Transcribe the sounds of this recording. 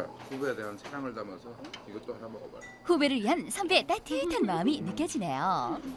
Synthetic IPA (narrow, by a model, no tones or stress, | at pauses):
hubeedeɦansʰaɾaŋɯɭdamʌsʰʌiɡʌt͈ohaɾamaɡʌba̰ | hube̞ɾɯɭɥiɦansʰʌmbet͈ajtʰiitʰanmaɯminɯk͈jʌd͡ʑine̞jo